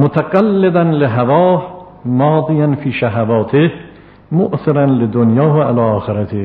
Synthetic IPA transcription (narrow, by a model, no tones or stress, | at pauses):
mot̪ʰaɡalːed̪ænleɦavɒːh | mɒːd̪ˤijanfiːʃaɦavɒːt̪ʰeh | moʔsɪɾanled̪onjɒːɦʔalɒːʔɒːxeɾat̪ʰeh